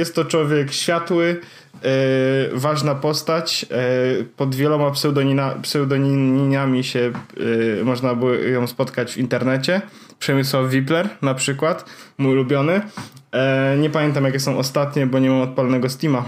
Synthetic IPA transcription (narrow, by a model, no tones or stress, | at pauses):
jɛst̪ːɔt͡ʂwɔvʲjɛkɕfʲjat̪wɘ | vaʐnapɔst̪at͡ɕ | pɔd̪vʲjɛlɔmapsɛwd̪ɔɲinapsɛwd̪ɔɲiɲiɲamʲiɕɛ | mɔʐnabɘwɔjɔ̃w̃spɔt̪kad͡ʑvint̪ɛɾnɛt͡ɕɛ | pʂɛmʲɘswawvʲiplɛɾnapʂɘkwat̪ | muulubʲjɔnɘ | ɲɛpamʲjɛnt̪̬amjakʲɛsɔ̃w̃ɔst̪at̪ɲɛbɔɲɛmamɔt̪̚palnɛɡɔsʲt̪ʲima